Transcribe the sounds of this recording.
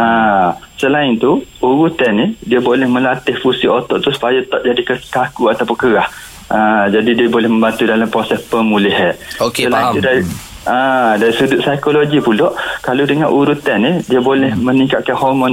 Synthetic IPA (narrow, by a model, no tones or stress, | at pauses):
asəlaɪnt̪uuɾut̪ɛnidiabolɛhmə̃lat̪ɪhfusiʔot̪ɔʔt̪usu̥pajat̪ɔʔ̚d͡ʒadikət̪akuat̪apʊkəɾah | ad͡ʒadidiabolɛhmə̃mbant̪udalampɾosɛspəmũliɦɛt̪̚oksəlait̪udaɾi | adaɾisudʊʔsajkoloɡipulɔʔkalodəŋanʔuɾut̪ɛnidiabolɛhmənikat̪̚kanhɔrmɔ̃n